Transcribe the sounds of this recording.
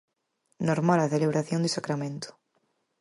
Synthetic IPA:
noɾmaɾaθeleβɾaθjõnd̪ɪsakɾamẽnt̪ʊ̥

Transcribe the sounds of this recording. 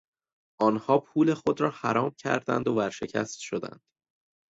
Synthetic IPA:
ʔɒːnhɒːpʰuːle̞xo̞d̪ɾɒːhæɾɒːmcʰæ̰ɾd̪æ̰nd̪obæɾʃe̞cʰæ̰st̪ʃo̞d̪æ̰nd̪̥

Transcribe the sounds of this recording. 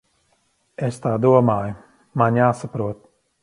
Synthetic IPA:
est̪aːd̪uɔmaːjʊ | manjaːsapɾuɔt̪̚

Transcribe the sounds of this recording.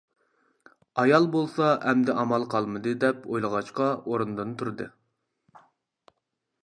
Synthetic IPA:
ɑjɑlˠbolˠsɑʔɛmd̪ɛʔɑmɑlˠqʰɑlˠmɨd̪ɨd̪ɛpojlˠəʁɑt͡ʃqɑʔoɾund̪ɨnt̪ʰuɾɨd̪ɨ

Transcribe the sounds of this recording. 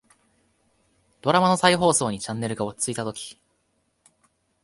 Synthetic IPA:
d̪̥o̞ɾamano̞saiɦo̞ːso̞ːɲ̟it͡ɕãnːe̞ɾɯ̟ɡao̞̥t͡sɨit̪at̪okʲi̥

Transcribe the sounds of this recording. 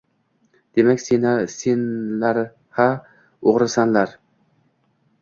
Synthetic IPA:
d̪̥emakʲsensenlaɾ | ha | oʁɾasanlaɾ

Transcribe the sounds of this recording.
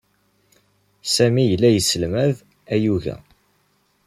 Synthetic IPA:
sæmijəlːæjəsəlmæð | æjuvæ̰

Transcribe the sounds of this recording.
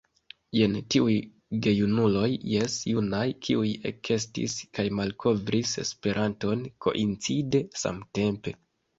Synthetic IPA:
je̞ntiuj | ɡe̞junulo̞jje̞sjunajkʰiujḛke̞stḭskajmalkʰo̞vɾise̞̰spe̞ɾʔanto̞nkʰo̞̰ʔint͡side̞sa̰mte̞mpe̞

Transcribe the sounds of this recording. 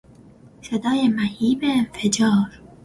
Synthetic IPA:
ʃed̪ɒːjemæhiːbeːnfe̞d͡ʒɒːɾ

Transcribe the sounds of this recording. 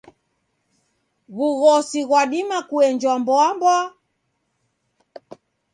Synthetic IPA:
ɣuɣɔsiɣwaɗimakuɛɲd͡ʒambɔambɔa

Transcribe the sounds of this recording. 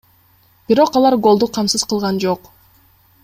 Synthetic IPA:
b̥iɾo̞qɑlˠɑɾɡo̞lˠd̪uqʰɑmsɯz̥qʰɯlˠʁɑnd͡ʒo̞q

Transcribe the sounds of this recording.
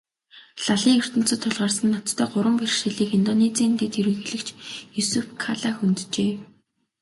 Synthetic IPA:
ɮaɮiːŋɵr̥t̪ə̆n̥t͡sə̆t̪ʰːʊɮʁaːrsə̆nːat͡st̪ʰœːɢʊɾwə̆mperʃiɮiːkint̪ɔnet͡siːnt̪eːt̪ʰeɾɘ̆ɣiɮɘ̆kt͡ɕʰjusufkʰaɮaxunt̪t͡ɕeː

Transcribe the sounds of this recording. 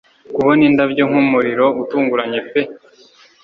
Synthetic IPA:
kuβo̞nindabɟoŋ̥humuɾiɾo̞utuːŋɡuɾaɲe̞pe

